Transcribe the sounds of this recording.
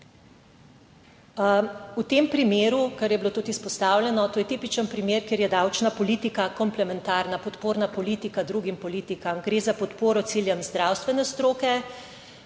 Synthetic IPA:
ut̪empɾimeːɾukaɾjɛbilot̪ut̪ispɔst̪awljɛnɔt̪oːjɛt̪iːpit͡ʃənpɾimeːɾkjeːɾjɛd̪awt͡ʃnapɔliːt̪ikakɔmplɛmɛnt̪aɾnapɔt̪poːɾnapɔliːt̪ikad̪ɾuɡimpɔliːt̪ikamɡɾeːzapɔt̪poːɾɔt̪siljɛmzd̪ɾawst̪ʋɛnɛst̪ɾoːkɛ

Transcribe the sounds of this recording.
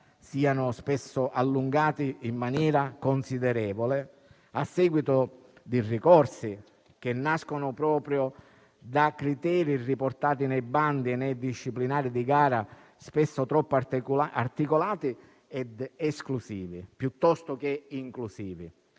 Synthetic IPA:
siːanʊspesːʊʔalːuŋɡaːt̪iːmːanjɛːɾakonsid̪ɛɾɛːvole | asːɛːɡwit̪ʊ | d̪irikɔrsi | k̟enːaskonʊpɾɔːpɾjo | d̪akːɾit̪ɛːɾiriport̪aːt̪inɛjband̪ienɛjd̪iʃːiplinaːɾid̪iɡaːɾa | spesːʊt̪ɾɔpːart̪ikolaːt̪i | ɛd̪ɛsklusiːvipjut̪ːɔst̪ʊk̟eiŋklusiːvi

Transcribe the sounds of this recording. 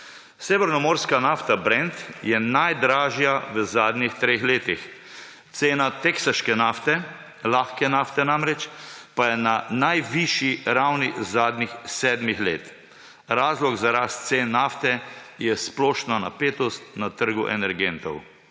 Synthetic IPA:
sɛʋɛɾnɔmɔːɾskanaːft̪abɾɛnt̪jɛnajd̪ɾaːʒjaʋəzaːd̪nixt̪ɾeːxleːt̪ix | t̪seːnat̪eksəʃkɛnaft̪ɛ | laxkɛnaft̪ɛnamɾɛt͡ʃpajɛnanajʋiʃiɾawnizaːd̪nixsɛːd̪mixlḛːt̪ | ɾaːzlɔɡzaɾaːst̪t̪seːnːaːft̪ɛjɛsplɔːʃnana̰peːt̪ɔst̪̚nat̪əɾɡuʔɛ̰nɛɾɡent̪ɔw

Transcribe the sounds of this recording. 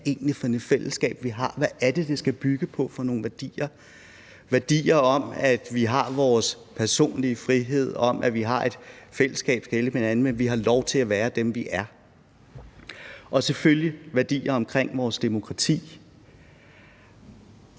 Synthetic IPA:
e̝ːnifɒ̽enefel̰əsɡ̥ɛ̰ːb̥ʋiɦɑ̈ʋæʔæɐd̥e̝d̥e̝sɡ̥æb̥yɡ̥əpʰɒ̽fɒ̈no̝ːn̩ʋæɐd̥ḭːɐ | ʋæɐd̥ḭːɐɒ̽mæ̥ʋiɦɑ̈ʋɒːs | pʰæɐso̝̰ːnliəfʁiɦe̝ð̰ˠɒ̽m̰ʔæʋiɦɑ̈ʔe̝d̥fel̰əsɡ̥ɛ̰ːb̥sɡ̥eləmenænð̩menʋiɦɑ̈lɒʊt͡sʰe̝læʋæːɐd̥emʋiʔæɐ | ʔɒ̽seføljiʋæɐd̥ḭːɐɒ̽mkʰʁeŋ̰ʋɒːsd̥e̝mo̝kʰʁɑ̈t͡sʰḭː

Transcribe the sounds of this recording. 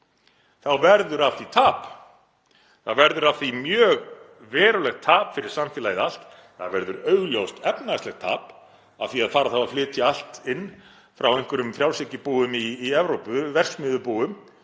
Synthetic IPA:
θawvɛɾðʏɾafθit̪ʰaːp | θaðvɛɾðʏɾafθimjœːɣ | vɛːɾʏlɛxt̪ʰaːpfɪɾɪɾ̥samfɪːlajɪðal̥t̪ | θa̰ðvɛɾðʏɾœɥɣljowst̪ɛpnastlɛxt̪ʰa̰ːp | a̰vθiaðfaːɾaðθavaflɪːt̪ʰɪal̥t̪ɪnː | fɾawɛjŋ̥kʏɾʏmfɾjaw̥sɪcɪpuːðʏmiːɛvɾowpʏvɛr̥smɪːðʏpuːʏm

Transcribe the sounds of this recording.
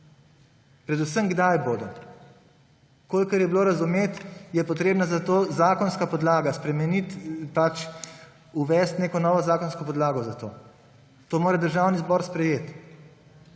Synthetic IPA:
pɾɛd̪usəmɡd̪ajboːd̪ɔ | koːlkɐɾjɛbiloːɾazumeːt̪jɛpɔt̪ɾeːbnazat̪oːzaːkɔnskapɔd̪laːɡaspɾɛmɛnit̪pat͡ʃ | uʋɛst̪neːkɔnɔːʋɔzaːkɔnskɔpɔd̪laːɡɔzat̪oː | t̪oːmoːɾad̪əɾʒawnizbɔɾspɾɛjeːt̪

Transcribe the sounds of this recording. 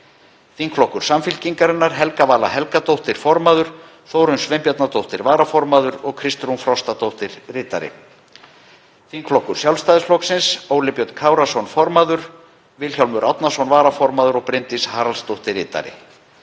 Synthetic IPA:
θiŋkʰlɔhkʏɾ̥samfɪlciŋkaɾɪnːaɾ̥ɦɛlkavaːla̰ɦɛlkat̪owht̪ɪɾ̥fɔɾmaðʏɾ̥ | θoːwɾʏnsvempjat̪nat̪owht̪ɪɾvaːɾafɔɾmaðʏɾɔɣkʰɾɪst̪ɾunfɾɔst̪at̪owht̪ɪɾ̥rɪːt̪a̰ɾɪ̰ | θiŋkʰlɔhkʏɾ̥sjawlst̪ajðɪsflɔksɪnsoːwlɪpjœt̪kʰaːwɾasɔnfɔɾmaðʏɾ̥ | vɪlçjawlmʏɾʔawt̪nasɔnvaːɾafɔɾmaðʏɾɔɣpɾɪnt̪ishaːɾalst̪owht̪ɪɾɪːt̪a̰ɾɪ̰

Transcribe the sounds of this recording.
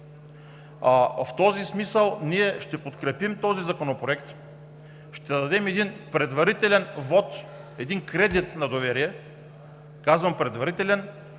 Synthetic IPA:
aft̪ɔzismisəlˠniɛʃt̪ɛpot̪kɾɛpimt̪ɔzizɐkonopɾoɛkt̪ | ʃt̪ɛd̪ɐd̪ɛmɛd̪inpɾɛd̪vɐɾit̪ɛlɛnvɔt̪ | ɛd̪inkɾɛd̪it̪nɐd̪ovɛɾiɛ | kazvɐmpɾɛd̪vɐɾit̪ɛlɛn

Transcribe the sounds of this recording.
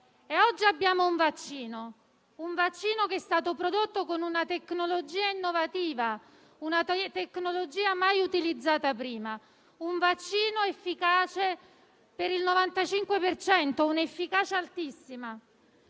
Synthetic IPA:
eɔd͡ʒːiabːjaːmouɱvat͡ʃːiːno | uɱvat͡ʃːiːnokeɛst̪aːt̪opɾod̪ot̪ːokonunat̪eknolod͡ʒiːainːovat̪iːva | unat̪ekːnolod͡ʒiːamajut̪ilid̪zːaːt̪apɾiːma | uɱvat͡ʃːiːnoefːikaːt͡ʃe | peɾilnovant̪at͡ʃiŋkwepert͡ʃɛnt̪ounefːikaːt͡ʃealt̪isːima

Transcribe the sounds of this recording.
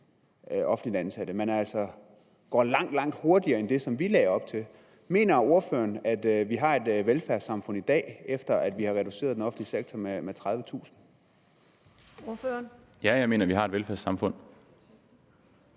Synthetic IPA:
ʔɒ̽fn̩lid̥ænsæɾ̥əmenæl̰sɒ | ɡ̥ɒ̰ːlɑ̈ŋ̰d̥lɑ̈ŋ̰d̥ho̝ɐd̥iɐːend̥e̝sɒ̽mʋilɛːɐɒ̽b̥̚t͡sʰe̝l | me̝̰ːnɐo̝ɐfø̰ːɐnæd̥ʋiɦɑ̈e̝d̥ʋelfæɐsɑ̈mfɔ̽n̰id̥ɛ̰ːefd̥ɐæd̥ʋihɑ̈ʁɛd̥use̝̰ːðˠdenɒ̽fn̩liseɡ̥̚t͡sʰɒmemet͡sʰʁɑ̈ðˠʋət͡sʰṵːsn̩ | oføɐn | jæjɑ̈ɪme̝ːnɐʋihɑ̈e̝d̥ʋelfæɐsɑ̈mfɔ̽n̰

